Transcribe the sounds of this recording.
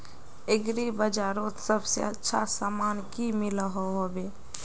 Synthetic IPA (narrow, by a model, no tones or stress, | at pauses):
eɡɾibəd͡ʒaɾõsəbsḛətːʃʰa̰samankimiləɦoɦobe